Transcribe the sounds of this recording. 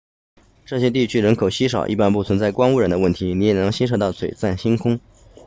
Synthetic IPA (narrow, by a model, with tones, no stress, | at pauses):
ʈ͡ʂɤ˥˩ɕjɛ˥t̪̬i˥˩t͡ɕʰy˥ɻə˧˥nkʰo˨˩ʊɕi˥ʂɑ̰˨˩ʊʔi˥˩pa˥npu˥˩t͡sʰwə˧˥nt͡sa˥˩ɪkwɑ˥ŋu˥˩ɻə˧˥nd̪ə˧wə˥˩nt̪ʰi˧˥ni˧˥jɛ˨˩nɤ˧˥ŋɕi˥ʂ̬ɑ˨˥ʊt̪ɑ˥˩ʊt͡sʰwe˨˩ɪt͡sa˥˩nɕi˥nkʰʊ˥ŋ